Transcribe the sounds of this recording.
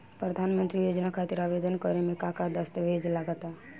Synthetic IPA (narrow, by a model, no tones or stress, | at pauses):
pɾəd̪ʱanmə̃nt̪ɾijod͡ʒnakʰat̪iɾaʋed̪ənkəɾemẽkakad̪əst̪ʋʱed͡ʒlaɡət̪a